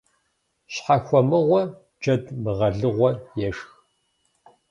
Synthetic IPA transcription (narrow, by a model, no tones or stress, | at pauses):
ɕħaxʷɔmɨʁʷɔ | d͡ʒɐdmɨʁɐɮɨʁʷɔjɛʂx